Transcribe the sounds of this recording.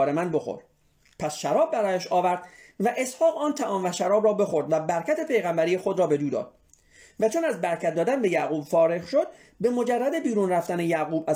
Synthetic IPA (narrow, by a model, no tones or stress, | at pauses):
ɾemænbo̞xo̰ɾ | pʰæsʃæɾɒːb̚ːæɾɒːjæʃɒːvæɾd̪̥væʔe̞shɒːɣɒːnt̪ʰæʔɒːmvæʃæɾɒːbɾɒːbe̞xo̞ɾd̪væbæɾcʰæt̪ʰe̞pe̞jɣæmbæɾiːjexo̞d̪ɾɒːbe̞d̪uːd̪ɒ̰ːd̪̥̚ | væt͡ʃʰonæzbæɾkʰæt̪̚d̪ɒːd̪ænbe̞jæɣuːbfɒːɾe̞ɣʃo̞d̪̚ | be̞mo̞d͡ʒærːæd̪e̞biːɾuːnræft̪ænejæɣuːbæ